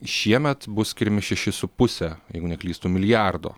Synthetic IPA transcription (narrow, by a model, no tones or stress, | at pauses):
ʃʲiɛmʲɛt̪bʊssʲkʲɪɾʲɛmʲɪʃʲɛʃʲɪsʊpʊsʲɛjɛɪɡʊnʲɛklʲiːst̪uːmʲɪlʲɪjærd̪o̰ː